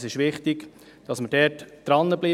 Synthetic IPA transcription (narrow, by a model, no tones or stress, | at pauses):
sɪʃʋɪχtɪk | d̥ɑsməɾd̥ɛtd̥ɾɑnːəbliː